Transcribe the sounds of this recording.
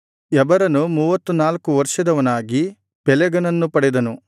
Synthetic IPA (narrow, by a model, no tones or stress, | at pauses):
ɛbɐɾɐnumuːʋɐt̪ːunaːlkuʋɐɾʂɐd̪ɐʋɐnaːɡi | pɛlɛɡɐnɐnːupɐɽɛd̪ɐnu